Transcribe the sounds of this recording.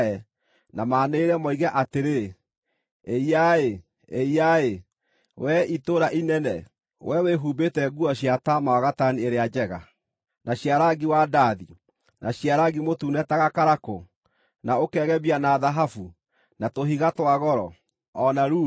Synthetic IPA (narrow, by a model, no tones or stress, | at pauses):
ɛ | namaːneɾɛmɔiɣɛʔateɾe | eiae | eiae | wɛitoɾaʔinɛnɛ | wʔɛweɦubetɛɡuɔɕiatamaaɣatanieɾead͡ʒɛɣa | naɕjaɾaɡiwadaði | nʔaɕjaɾaɡimotuːnɛtaɣakaɾako | naokɛɣɛβianaðaɦafu | natoɦiɣatwaɣɔɾɔ̰ | ɔnaɾuː